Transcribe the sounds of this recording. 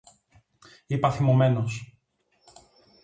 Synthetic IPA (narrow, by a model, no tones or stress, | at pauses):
ipɐθimome̞nos